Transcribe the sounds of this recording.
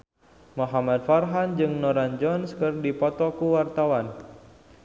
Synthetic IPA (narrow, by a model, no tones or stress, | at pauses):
mɔɦamad̚farɦand͡ʒɨŋnɔɾand͡ʒɔnskɨrdipɔt̪ɔkuwart̪awan